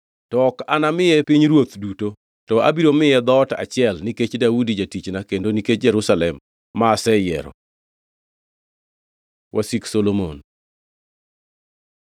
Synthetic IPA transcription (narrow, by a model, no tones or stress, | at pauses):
tɔkanamɪjɛpiɲɾwot̪duto | tɔabiɾomɪjɛd̪ɔta̰t͡ʃɪɛlniket͡ʃdaudid͡ʒatit͡ʃnakendoniket͡ʃd͡ʒɛɾusalɛmː | aːsɛjɛ̰ɾɔ̰ | wʔasiksolomon